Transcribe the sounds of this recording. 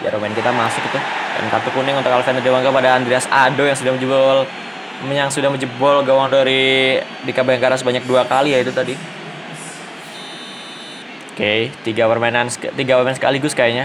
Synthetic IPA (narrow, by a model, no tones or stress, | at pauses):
ja̰ɾomankit̪amasʊkit̪uda̰nk̪at̪ukunɪŋnt̪ʊkalfɛnt̪diwaŋɡapadaːnd̪ɾiasadojaŋsudahməd͡ʒəbɔl | məɲaŋsudahməd͡ʒəbɔlɡawaŋdaɾi | dikabajaŋkaɾasəbaɲak̚duakalijait̪ut̪adi | oket̪iɡapərmaɛnanskt̪iɡapərmaɛnsə̥ka̰liɡʊskaiɲa